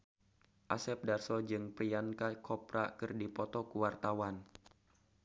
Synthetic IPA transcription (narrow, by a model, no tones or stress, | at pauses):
ʔasɛp̚darsɔd͡ʒɨŋpɾiankakʰɔpɾa̰kɨrdipɔt̪ɔkuwart̪awan